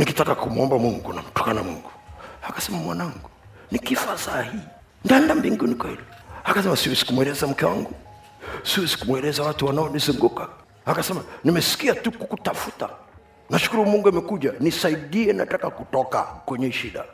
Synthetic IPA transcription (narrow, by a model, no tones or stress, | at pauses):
nikitakakumuɔmbamuŋɡṵna̰m̩tɔ̥kanamuŋɡuakḁsɛmamwanaŋɡu | nikifasahi | ndandambiŋɡunikwɔhilɔakasɛmasiwɛzi̥kumwɛlɛzam̩kɛwa̰ŋɡu | siwɛzi̥kumwɛlɛzawatuwanaɔnizuŋɡuka | akasɛmanimɛsi̥kiatukukutafuta̰ | naʃu̥kuɾumuŋɡuamɛkuʄanisaiɗiɛnatakakutɔka̰kwɛɲɛʃiɗa